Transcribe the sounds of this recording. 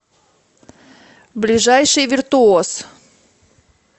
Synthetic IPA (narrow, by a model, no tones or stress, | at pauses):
blʲɪʐajʂɨjvʲɪrt̪ʊos